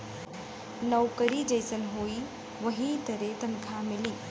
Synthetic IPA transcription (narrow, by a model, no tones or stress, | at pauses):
nɐwkəɾid͡ʒɐjsɐnɦoːi | ʋɐɦĩt̪ɐɾet̪ɐnkʰamiliː